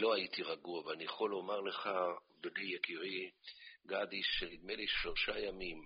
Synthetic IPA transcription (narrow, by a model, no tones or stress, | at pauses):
lo̞ait̪iʁaɡuaveanijaχo̞lo̞maʁleχa | bedijekiʁiɡad̪iʃenid̪meliʃloʃajamim